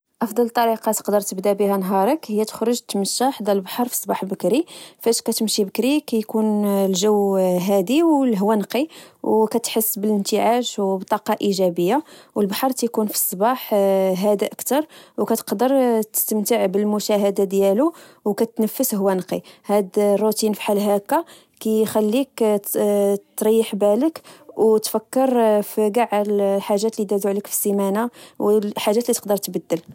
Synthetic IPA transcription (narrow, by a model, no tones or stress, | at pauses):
ʔɑfd̪ˤɑlt̪ˤːɑɾiqɑt̪ə̥qd̪əɾˤt̪əbd̪abihænɦɑɾˤəkhəjːæt̪ə̥xɾʊʒt̪məʃːaħd̪ælbħɑɾˤfi̥sˤːbɑħlbəkɾifæʃkæt̪əmʃibəkɾikæjkunlʒəwɦæd̪iwlɦwænqiwkæt̪ħəsːbələnt̪əʕaʃwbt̪ˤːɑqɑʔiʒæbəjːawəlbħɑɾˤt̪æjkunfi̥sˤːbɑħɦæd̪aʔəkt̪ɑɾˤwkæt̪ə̥qd̪əɾt̪ə̥st̪əmt̪əʕbəlmʊʃæɦəd̪ad̪jæluwkæt̪nəfːəsɦʊwːænqḭhæd̪rˤːut̪infi̥ħalɦækːa | kæjxælːik | tt̪ɾˤɑjːəħbæləkwt̪fækːəɾfiɡaʕalħaʒːæt̪lid̪æd̪uʕləkfi̥zimænawħaʒːæt̪lit̪ə̥qd̪əɾˤt̪bəd̪ːəl